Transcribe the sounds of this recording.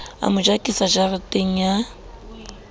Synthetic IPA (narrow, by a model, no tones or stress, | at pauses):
a̰mʊd͡ʒakʼisad͡ʒarɪtʼeŋ̩ja